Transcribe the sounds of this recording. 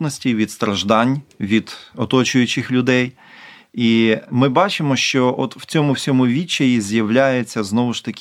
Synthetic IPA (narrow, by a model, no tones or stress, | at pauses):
t̪nɔsʲtʲiʋʲid̪st̪ɾɐʒd̪ɑnʲʋʲid̪̥ɔt̪ɔt͡ʃʊjʊt͡ʃɪxlʲʊd̪ɛj | imɪbɑt͡ʃɪmɔʃt͡ʃɔʔɔt̪wt͡sʲɔmʊwsʲɔmʊʋʲit͡ʃːɐjizʲjɐwlʲajet͡sʲːɐznɔʋʊʃt̪ɐkʲ